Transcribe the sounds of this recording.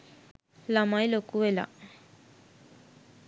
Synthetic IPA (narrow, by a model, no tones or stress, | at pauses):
lamajlokuʋela̰